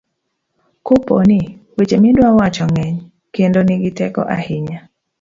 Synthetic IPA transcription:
kopo̰niwet͡ʃemɪdwawat͡ʃɔŋɛɲ | kendoniɡɪtɛkɔ̰ʔa̰hɪɲa

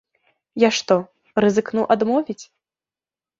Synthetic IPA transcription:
jaʂt̪ɔ | rɨzɨknuʔad̪mɔvʲit͡sʲ

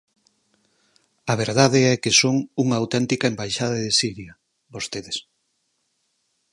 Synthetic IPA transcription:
ɐβeɾðaðeɛkesoŋuŋɐːwt̪ɛnt̪ikɐembajʃaðaðesiɾjɐ | βost̪eðes

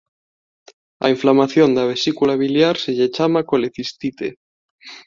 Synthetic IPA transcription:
a̰iɱflamaθjond̪aβ̞esikulaβiljaɾseʎet͡ʃamakoleθist̪it̪ḛ

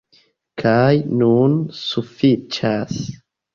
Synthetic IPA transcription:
kʰajnunsufit͡ʃas

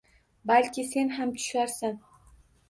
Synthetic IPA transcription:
balkʲʰɪse̞nɦamt̪ʰʊ̥ʃaɾsan

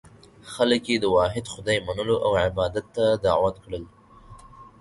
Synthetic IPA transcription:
xaləkjed̪əwɑɦɪd̪xʊd̪ɑjmanəloʔawɪbɑd̪at̪ːad̪aʕwat̪kɽəl

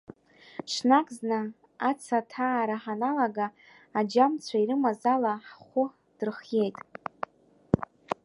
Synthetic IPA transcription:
ʂnakʼzna | at͡sʰatʰaːɾaħanalaɡaː | d͡ʒamt͡sʷʰaiɾɨmazalaħχʷʊ | d̥ɨrχje̞jtʼ

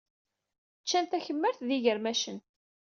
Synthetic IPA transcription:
t͡ʃːænt̪æçəmːəɾθðiʝəɾmæʃən

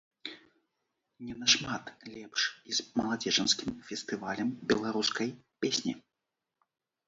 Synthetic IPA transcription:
nʲɛnɐʂmat̪lʲɛpʂizmɐlˠad͡zʲɛʐɐnskʲimfʲɛst̪ɨvalʲɐmbʲɛlˠaɾuskɐjpʲesʲnʲḭ

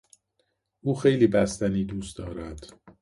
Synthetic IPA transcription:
ʔuːxejliːbæst̪æniːd̪uːst̪d̪ɒːɾæd̪̥

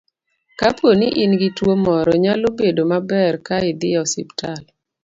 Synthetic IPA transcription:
kapʰoniʔinɡitwomɔɾɔɲalobedomabɛrkaɪd̪ɪjɔsɪ̰ptʰal

